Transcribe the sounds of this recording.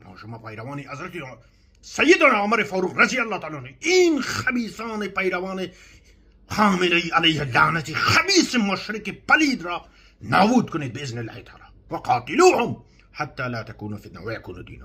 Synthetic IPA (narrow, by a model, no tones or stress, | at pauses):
ma̰ːʃʊmaːpɐjɾɐwaːniʔɐzɾɐt̪i | sɐjːɪd̪anaʕʊmɐɾefaːɾuːqɾɐzijɐlːɑːt̪aːlaniinxɐbiːsaːnepɐjɾɐwaːne | xaːmɪlɐiːɐlɐjhalaːnɐt̪ixɐbiːsemʊʃɾɪkepɐliːd̪ɾɑː | naːbuːd̪̚kʊneːt̪̚bɪɪznɪlhḭt̪ʰɑ̰ːɾa | wɐqɑːt̪ɪluːhʊm | ħat̪ːaːlaːt̪ɐkuːnufɪd̪na̰wɐjɐkṵːnud̪ḭːna̰